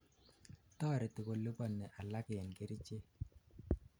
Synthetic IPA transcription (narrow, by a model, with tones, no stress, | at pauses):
tɔ˦˨ɾɛ˨tɪ˨ko˨lu˦bɔ˦nːɛ˨ʔa˨la˦kɪ˨ɛ˨nɡe˨˦ɾi˦t͡ʃe˦